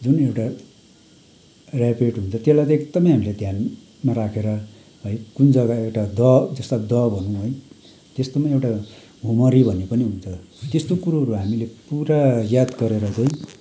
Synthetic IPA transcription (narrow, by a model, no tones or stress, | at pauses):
d͡zunewʈa | rapeʈɦunt͡sʰʌt̪elajt̪ʌekd̪ʌmʌjɦamiled̪ʱjan | maɾakʰeɾʌ | ʌjkund͡zʌɡaewʈad̪ʌd͡zʌst̪ad̪ʌbʱʌnũɦoj | t̪est̪omaewʈa | ɦumʌɾibʱʌnepʌniɦunt͡sʰʌ | t̪est̪okuɾaɦʌɾuɦamilepuɾajad̪ɡʌɾeɾʌt͡saĩ